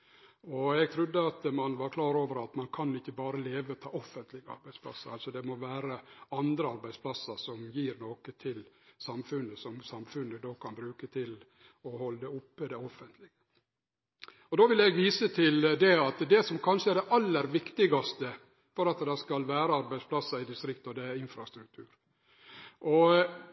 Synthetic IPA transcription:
ɔɛɡ̚t̪ʰɾʉd̪ːəɑt̪mɑnʋɑɾkʰlɑːɾoːʋəɾɑt̪mɑnkʰɑnɪçːəbɑːɾəleːʋəɔt̪ʰɑ̰ːɔfənt̪lɪɡəɑ̰ɾbæɪd̪splɑ̰sːəɾɑlsɔd̪ɛmɔʋæːɾəɑnd̪ɾəɑɾbæɪdspʰlɑsːəsɔmjiːɾnoːkət̪ʰɪlsɑmfʉnːəsɔmsɑmfʉnːəd̪oːkʰɑnbɾʉːkət̪ʰɪl | ɔhɔlːd̪ɛʊpːəd̪ɛɔfːənt̪ʰlɪɡə | ɔd̪oːʋɪlɛɡʋiːsət̪ʰɪld̪ɛɑt̪d̪ɛsɔmkʰɑnʂəæɖ̪ɛʔɑlːəɾʋɪkt̪ɪɡɑst̪ə | fɔɾɑt̪d̪ɑskɑlʋæːɾəɑɾbæɪspʰlɑsːɑɾɪd̪ɪst̪ɾɪkt̪ɔd̪ɛæɪnfɾɑst̪ɾʉk̚t̪ʰʉːɾ | ʔɔ

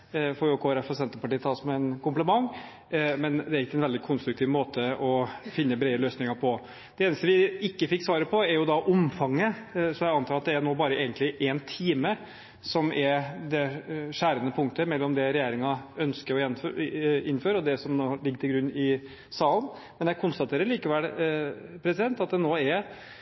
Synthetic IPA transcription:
fɔɾjʊkʰoːɛɾɛfːɔsɛnt̪əpɑʈiːt̪ʰɑːsɔmɛɛnkʊmpləmɑŋː | mɛnd̪ɛæɾɪkːəɛnʋɛld̪ɪkʰʊnst̪ɾʉk̚t̪ʰiːʋmoːt̪ʰəɔfɪnːəbɾɛɪəløːsnɪŋɑɾpʰɔ | d̪̥ɛeːnəst̪əʋɪɪkːəfɪkːsʋɑːɾəpʰɔɛɾjʊd̪ɑʔʊmfɑŋːəsɔjæɪɑnt̪ʰɑːɾɑt̪̚d̪ɛæɾnoːbɑːɾəʔeːɡənt̪lɪʔɛnt̪ʰiːmə | sɔmʔɛɾd̪ɛʂæːɾənəpʰʊŋk̚t̪əmɛlːɔmd̪ɛɾɛjeːɾɪŋɑœnskəɾɔjɛn | ɪnːføːɾəɔd̪ɛsɔmnoːlɪɡːət̪ʰɪlɡɾʉnːɪ | sɑːlən | mɛnjɛkʰʊnst̪ɑt̪ʰeːɾəɾɭiːkəʋɛl | pʰɾɛsɪd̪ɛnt̪ɑt̪̚d̪ɛnoːɛɾ

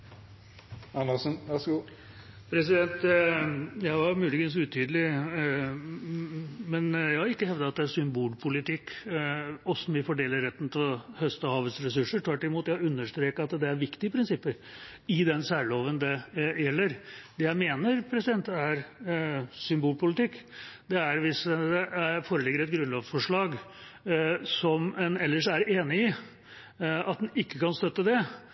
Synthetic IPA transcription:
ɑnːɑsənʋæɡu | pʰɾɛs̬ɪd̪ɛnt̪ | jæɪɑɾmʉːlɪɡins̬ʉːt̪ʰyːd̪əlɪ | mɛnjæɪhɑɾɪkːəhɛʋd̪ɑɑt̪̚d̪ɛæsʏmbuːlpʰʊlɪt̪ʰɪkː | ɔsɔmʋɪfɔɖeːləɾːɛt̪ːn̩t̪ʰɪlhœst̪ɔhɑːʋəsɾɛsʉʂːəʈʰʋæʈːlɪmuːt̪jæhʉnːəʂt̪ɾeːkəɑt̪d̪ɛæɾʋɪkt̪ɪəpʰɾɪnsɪpːəɾɪd̪ɛnsæːɭoːʋənd̪ɛjɛlːəɾd̪ɛjæɪmeːnəɾpʰɾɛsɪd̪ɛnt̪æɾ | sʏmbuːlpʰʊlɪt̪ɪkːd̪ɛæɾʋɪsd̪ɛʔæfoːɾəlɪɡːəɾɛt̪ɡɾʉnlɑːʋfɔʂɭɑːɡ | sɔmɛnɛlːəʂæɾeːnɪɪ | ɑt̪̚d̪nɪkːəkɑnst̪œt̪ːəd̪ɛ

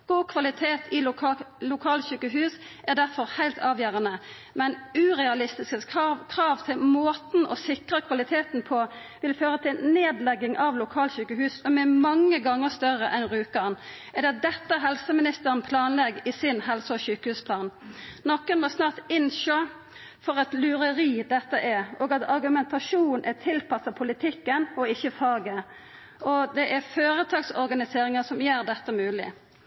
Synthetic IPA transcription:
ɡ̥uːkʰʋɑlɪt̪ʰeːt̪ʰɪlʊkʰɑːlɕʉːkəɦʉːs | ʔæʁd̪æʁfɔʁhæɪlt̪ʰɑːʋjæːʁənə | mɛnʉːʁɛɑlɪst̪ɪskəkʰʁɑːʋt̪ʰɪlmoːt̪n̩ʔɔsɪkʁəkʰʋɑlɪt̪ʰeːt̪n̩pʰɔ | ʋɪlføːʁət̪ʰɪlneːd̪lɛɡɪŋʔɑʋlʊkʰɑːlɕʉːkəhʉːsɔmɛmɑŋːəɡɑŋːəʁst̪œʁəʔɛnʁʉːkɑn | ʔɛd̪ɛɑt̪̚d̪ɛt̪ːəæɦɛlsəmɪnɪst̪əɾənpʰlɑːnlɛɡːɪsɪnhɛlsəɔɕyːkəhʉːspʰlɑːnnɔkːənʋɔsnɑːʁt̪ɪnʃø | fɔʁɛt̪lʉɾəɾiːd̪ɛt̪ːəʔɛʔoːɡɑt̪ɑɾɡʉmɛnt̪ʰɑʂuːnn̩ʔɛt̪ʰɪlpɑsːɑpʰʊlɪt̪ʰɪkːənɔɪçːəfɑːɡə | ɔd̪ɛʔæɾføːɾət̪ʰɑːɡsɔɾɡɑnɪseːɾɪŋəsɔmjeːɾd̪ɛt̪ːəmʉːlɪ̰

